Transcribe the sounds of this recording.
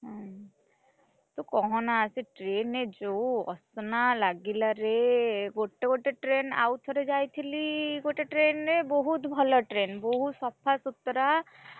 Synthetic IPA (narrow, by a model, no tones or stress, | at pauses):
ɦɛ̃ | t̪ɔkɔɦɔ̃naːsiʈɾened͡ʒoɔ̰snalaɡilaɾeɡoʈːeɡoʈeʈɾena̰wt̪ʰɔɾed͡ʒajt̪ʰiliɡoʈeʈɾenɾebɔɦut̪bʱɔlɔʈɾenbɔɦut̪sɔpʰːasut̪ːɾa